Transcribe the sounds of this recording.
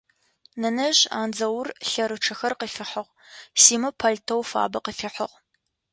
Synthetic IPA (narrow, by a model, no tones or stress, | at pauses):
nɐnɐʑa̰ːnd͡zɐwrɬɐɾɨʈ͡ʂʰɐxɐrqəfɪħəʁ | siːmɨpʰɐɮtʰɐwfa̰ːbɐqəfɪħəʁ